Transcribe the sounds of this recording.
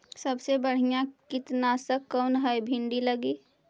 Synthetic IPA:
səbsebəɽ̤ijãkɪt̪nasəkːəʊnɦəjbʱɪ̃ɳɖiləɡiː

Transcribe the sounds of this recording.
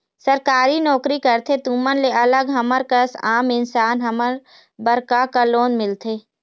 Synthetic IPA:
səɾkaːɾinɔːkɾikəɾt̪ʰet̪uːmənleɐləɡɦɐməɾkəsaːmɪnsaːnɦɐməɾ | bəɾkakaloːnmɪlt̪ʰeː

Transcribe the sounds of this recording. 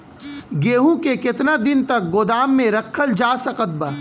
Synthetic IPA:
ɡeːɦũkekɪt̪nad̪ɪnt̪ɐk̚ɡoːd̪aːmːẽɾɐkʰːəld͡ʒaːsɐkət̪̚bə

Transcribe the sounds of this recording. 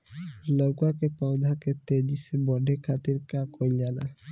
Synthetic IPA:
lokakepawd̪ʱaket̪ed̪isebɔɖʱekʰat̪iɾkakojlala̰

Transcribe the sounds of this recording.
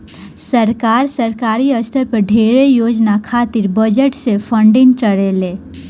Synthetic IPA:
səɾkaːɾsəɾkaːɾiəst̪ʰəɾpəɾɖʱeːɾejoːd͡ʒnakʰaːt̪ɪɾbəd͡ʒəʈsefʰə̃ɳɖɪ̃ŋʈəɾeleː

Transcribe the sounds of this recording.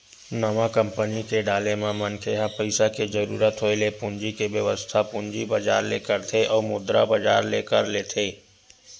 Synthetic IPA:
nɐmakə̃mpənikeɖaːlemẽmənkʰeɦãpəɪsaked͡ʒəɾṵːɾət̪ɦoelepʊɲd͡ʒikeʋjəʋəst̪ʰapʊnd͡ʒibəd͡ʒa̰ːɾlḛːkəɾt̪ʰeʔɔːɾmʊd̪ɾa̰bɐd͡ʒa̰ːɾlḛːkəɾleːt̪ʰeː

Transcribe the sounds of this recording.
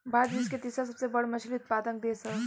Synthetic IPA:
baːd̪d͡ʒuɪsket̪isasɐbsebɐɽmɐslʊt̪̚paːd̪əkd̪eːsəɾ

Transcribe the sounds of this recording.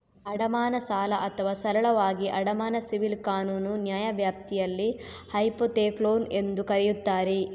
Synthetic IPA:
ɐɽɐmaːnɐsaːlɐʔɐt̪ʰɐʋaːsɐɾɐɭɐʋaːɡiʔɐɽɐmaːnɐsiʋilkaːnuːnunjaːjɐʋjaːp̚t̪ijɐlːi | hɐjpot̪eːkloːne̞nd̪ukɐɾɛjut̪ːaːɾe

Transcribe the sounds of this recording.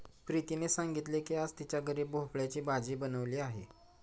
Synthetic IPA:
pɾit̪inesãŋɡit̪lekiad͡zt̪it͡ɕjaɡəɾiːbbʱopɭjat͡ɕiːbad͡ziːbənəʋliːaɦḛ

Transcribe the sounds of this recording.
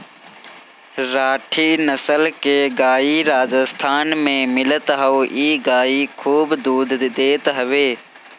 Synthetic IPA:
ɾaːʈʰinəsəlkeɡaːiɾaːd͡ʒəst̪ʰaːnmẽmɪlət̪ɦəiːɡaːikʰuːbd̪uːd̪d̪eːt̪ɦɐʋeː

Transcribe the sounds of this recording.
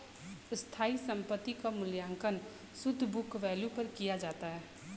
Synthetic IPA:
st̪ʰaːisə̃mpət̪ːikamʊljãːŋkən | sʊd̪ʱːbʊkʋɛːljupəɾkijad͡ʒaːt̪aɦɛː

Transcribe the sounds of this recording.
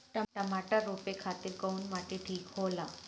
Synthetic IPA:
ʈəʈəmaʈaɾopekʰat̪iːɾkəunmaʈiʈʰiːkɦola

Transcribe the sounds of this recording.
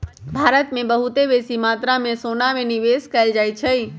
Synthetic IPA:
bʱaːɾət̪mẽbəɦut̪ebesimat̪ɾamẽsonamẽniʋeskɛɪld͡ʒajt͡ʃʰɛi

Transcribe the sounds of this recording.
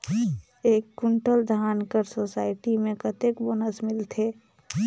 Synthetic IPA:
eːkːʊɳʈəld̪ʱaːnkəɾsosaːɪʈimẽkət̪ekboːnəsmɪlt̪ʰeː

